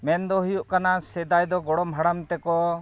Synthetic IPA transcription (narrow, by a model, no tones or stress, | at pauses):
mɛnd̪ɔɦijuʔkanasɛd̪ajd̪ɔɡɔɽɔmɦaɽamt̪ɛkɔ